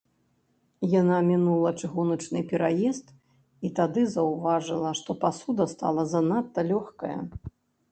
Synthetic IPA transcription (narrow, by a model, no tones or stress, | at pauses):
janamʲinulˠɐt͡ʂɨɣunɐt͡ʂnɨpʲɛɾajɛst̪ | it̪ad̪ɨzɐwvaʐɨlˠɐʂt̪ɔpasud̪ɐst̪a̰lˠɐzɐnat̪ːɐlʲɔxkɐ̰jɐ̰